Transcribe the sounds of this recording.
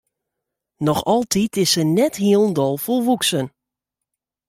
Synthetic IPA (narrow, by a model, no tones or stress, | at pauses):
nɔxɔlˠtʰitɪsənɛthiəlˠn̩dɔlˠfolˠʋuksən